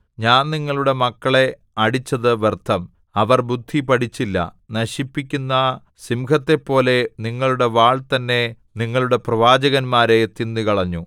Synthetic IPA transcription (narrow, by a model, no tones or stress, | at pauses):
ɲaːnniŋːɐɭuɽe̞mɐkːɐɭe̞ | ɐɽit͡ɕːɐðɨʋert̪ʰːɐm | ɐʋɐrbud̪ʱːipɐɽit͡ɕːilːɐ̰ | nɐɕipːikʲːunːɐ | simkʰɐt̪ːe̞pːo̞ːle̞niŋːɐɭuɽe̞ʋaːɭt̪ɐnːe̞ | niŋːɐɭuɽe̞prɐʋaːd͡ʑɐɣɐnmaːɾet̪ːinːikɐɭɐɲːu